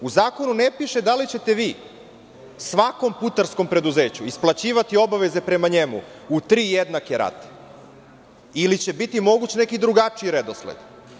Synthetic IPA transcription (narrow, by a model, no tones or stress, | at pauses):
uzaːko̞nunepiʃe̞d̪alit͡ɕe̞t̪e̞ʋiː | sʋako̞mput̪aɾsko̞mpɾe̞d̪uze̞ːt͡ɕuisplˠat͡ɕiːʋat̪io̞baʋe̞ze̞pɾe̞maɲe̞mṵut̪ɾiːjed̪nakeɾa̰t̪ | ilit͡ɕe̞bit̪imo̞ɡut͡ɕne̞kid̪ɾuɡat͡ʂiiɾed̪oslḛd̪̥